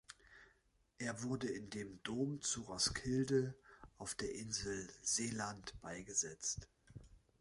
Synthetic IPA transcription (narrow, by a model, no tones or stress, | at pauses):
ʔeːɐvʊɐdəɪndeːmdoːmt͡suʁɔskʰɪldəʔaʊfd̥eːɐʔɪnzl̩z̥eːlantb̥aɪɡəzɛt͡st